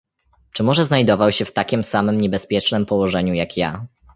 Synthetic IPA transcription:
t͡ʂɘmɔʐɛznajd̪ɔvawɕɛft̪akʲimsamɘmɲɛbɛspʲjɛt͡ʂnɘmpɔwɔʐɛɲujakʰja

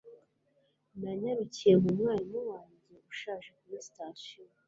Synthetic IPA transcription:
nanaɾicijemumŋaːɲowaːɲɟe̞uʃaːʒekumistaso

